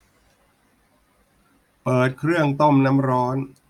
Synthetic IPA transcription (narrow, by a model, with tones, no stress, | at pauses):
pɤː˨˩t̪̚kʰɾɯ˥˩əŋt̪o˥˩mna˦˥mɾɔː˦˥n